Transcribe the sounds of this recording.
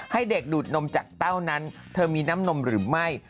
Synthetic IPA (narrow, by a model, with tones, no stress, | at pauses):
ha˥˩jde˨˩k̚duː˨˩t̪̚no˧mt͡ɕaː˨˩k̚t̪a˥˩wna˦˥nt̪ʰɤː˧miː˧naː˦˥mno˧mɾɯː˩˦ma˥˩j